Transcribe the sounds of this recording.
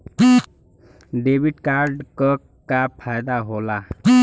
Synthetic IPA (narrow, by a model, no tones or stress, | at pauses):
ɖebiʈkaɾɖkə | kapʰajd̪aɦola